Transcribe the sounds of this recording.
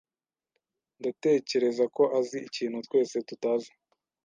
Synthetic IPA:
ndate̞ːce̞ɾe̞zako̞ʔaziiciːn̥hutwe̞ːse̞tutaːzi

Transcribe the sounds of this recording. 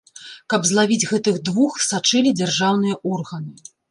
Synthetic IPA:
kɐbzlˠavʲid͡zʲɣɛt̪ɨɣd̪vuxsat͡ʂɨlʲid͡zʲarʐawn̪ɨjɐʔɔrɣɐnɨ

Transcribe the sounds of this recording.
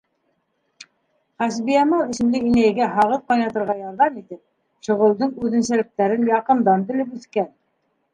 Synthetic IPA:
χæs̬bijæmɑwisɘ̆mlɘinæjɡæɦɑʁɤð̚qɑjnɑt̪ɤ̆ɾʁɑjɑɾðɑmit̪ɘp̚ | ʃŏʁɤ̆lˠd̪ɤɴʉðɘ̆nsælɘ̆k̚t̪æɾɘnjɑqɤ̆nd̪ɑnt̪ɘ̆lɘpʉθkæn

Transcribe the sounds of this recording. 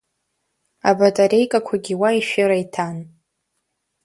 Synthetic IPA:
abatʼaɾe̞jkʼakʷʰaɡʲiwaiʃᶣɪɾajtʰan

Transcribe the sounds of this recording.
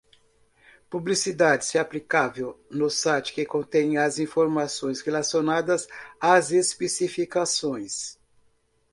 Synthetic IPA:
publisid̪ad͡ʒɪsɪaplikavewnʊsat͡ʃɪ̥kɪkõt̪ẽj̃azĩfoɾmasõj̃shelasionad̪ɐzazespesifikasõj̃s

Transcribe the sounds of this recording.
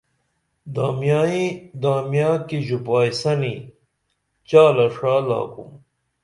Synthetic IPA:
d̪aːmjaːid̪aːmjaːkiʑupaːjisɐni | t͡ɕaːlɐʂaːla̰ːkṵm

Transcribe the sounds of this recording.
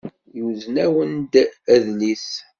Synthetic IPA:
juðnæwənd̪æðlis

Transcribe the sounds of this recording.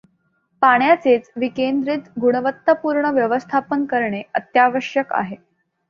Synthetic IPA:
paɳ̃jat͡set͡sʋikend̪ɾit̪ɡuɽ̃əʋət̪ːəpuɾɳəʋjəʋəst̪ʰapənkəɾɳeət̪jaʋəʂjəka̰ɦe

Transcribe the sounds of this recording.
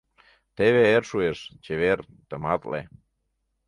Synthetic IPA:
t̪eβeerʃueʃt͡ɕeβer | t̪əmɑt̪lḛ

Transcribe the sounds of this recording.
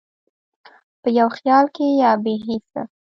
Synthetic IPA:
pəjawxjɑlkejɑbeɦisa̰

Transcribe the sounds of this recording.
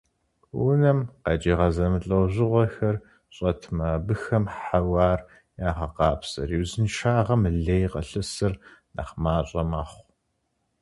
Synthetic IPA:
wunɐmqɑt͡ʃʼiːʁɐzɐmɨɬʼɐwʑɪʁʷɔxɐr | ɕʼɐtʰmɐbɨxɐmħɐwaːr | jaːʁɐqɑːpʰsɐ̰riwzɨnʃaːʁɐmɨɮeːjqɐɬɨsɨrnɐ̰χmaːɕʼɐmaːχʷ

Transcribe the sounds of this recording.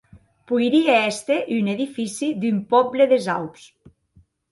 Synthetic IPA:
pujɾieest̪eʔyneðifisid̪ympɔbleðeza̰wps

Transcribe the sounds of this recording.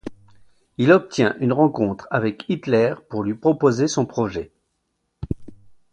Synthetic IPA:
ilɔp̚t̪jɛ̃ʔynʁɑ̃kɔ̃t̪χavɛkit̪lɛʁpuʁlɥipχɔpozesɔ̃pχɔʒɛ

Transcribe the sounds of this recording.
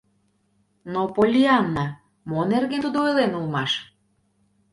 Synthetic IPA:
nopolʲiɑnːɑ | monerɡent̪ud̪oelenulmɑʃ

